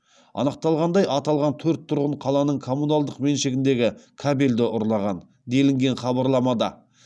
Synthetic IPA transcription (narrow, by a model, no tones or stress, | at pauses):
ɑ̰nəq̚t̪ɑlˠʁɑnd̪ɑjʔɑt̪ɑlˠʁɑnt̪ʰɵɾt̪ʰːʊɾʁəɴqʰɑlˠɑnəɴkʰo̞munalˠd̪əqme̞nʃe̞ɡʲɪnd̪e̞ɡʲɪkʰabe̞ld̪ɪʔʊɾlˠɑʁɑn | d̪e̞lɪŋɡʲe̞nχɑβɑɾlˠɑmɑd̪ɑ